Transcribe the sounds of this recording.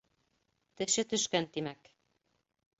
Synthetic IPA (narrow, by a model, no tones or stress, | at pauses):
t̪ɘ̆ʃɘt̪ɵ̆ʃkænt̪imæk